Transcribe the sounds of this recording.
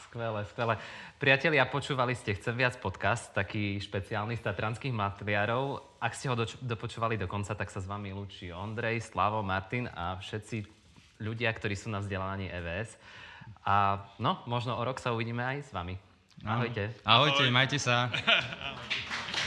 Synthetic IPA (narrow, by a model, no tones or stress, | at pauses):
skʋɛlɛskʋɛlɛpɾɪacɛʎɪapɔt͡ʃuːʋaliscɛxt͡sɛmʋɪat͡spɔt̪kast̪ːakiːʃpɛt͡siaːlnist̪at̪ɾanskiːɣmlat̪lɪaɾɔʊ | ʔakscɛɦɔd̪ɔpɔt͡ʃuːʋalid̪ɔkɔnt͡sat̪aksazʋamilut͡ʃiɔnd̪ɾɛjslaːʋɔmaɾt̪ina̰fʃɛt̪t͡si | ʎuɟɪakt̪ɔɾiːsuːnavzɟɛlaːʋaɲiːʔɛːʋɛːɛs | anɔmɔʒnɔɔɾɔksauʋiɟiːmɛajzʋami | aɦɔjɛaɦɔjcɛmajcɛsa